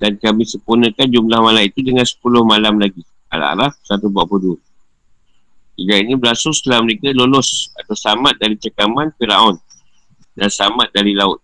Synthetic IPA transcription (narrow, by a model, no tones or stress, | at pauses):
dankamɪhsəpunə̃kand͡ʒumlahmalamit̪udəŋansə̥pulʊhmalamlaɡi | a̰la̰a̰ɾafsat̪ubuaʔpudu | iɡaiɲibəlasʊŋslaməɾekalolɔsat̪awsamat̪̚daɾit͡ʃəkamanfiɾa̰ʔɔn | dansamat̪̚daɾilaʊt̪̚